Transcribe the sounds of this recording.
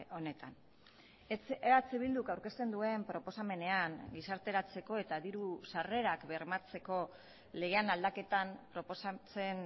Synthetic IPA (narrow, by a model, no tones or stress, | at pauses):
o̞ne̞t̪an | eat͡seβild̪ukawɾke̞st̪e̞nd̪ue̞mpɾo̞po̞same̞ne̞aŋɡisaɾt̪e̞ɾat͡se̞ko̞e̞t̪aðiɾusare̞ɾakbe̞ɾmat͡se̞ko̞ | leɣe̞anald̪ake̞t̪ampɾo̞po̞sat͡se̞n